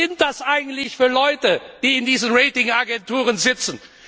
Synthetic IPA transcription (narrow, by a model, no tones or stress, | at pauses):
ɪnt̚d̥asʔaɪɡŋ̩tlɪçfyːɐlɔʏtəd̥iːɪndiːzənʁeɪtɪŋaɡɛntuːʁ̞ənzɪt͡sn̩